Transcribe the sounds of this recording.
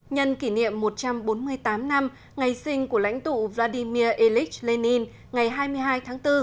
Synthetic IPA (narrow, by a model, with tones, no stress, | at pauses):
ɲə˧nki˧˩nḭ˧˨əmːo˨˩t̚t͡ɕa˧mɓo˨˦nmɨ˧əjt̪aː˨˦mna˧m | ŋa˨˩jsï˧ŋ̟ku˧˩əla̰˧˥jŋ̟t̪ṵ˧˨vlaː˧ɗi˧mi˧əʔi˧li˦˥k̚le˧ni˧n | ŋa˨˩jɦaː˧jmɨ˧əjɦaː˧jt̪ʰaː˨˦ŋt̪ɨ˧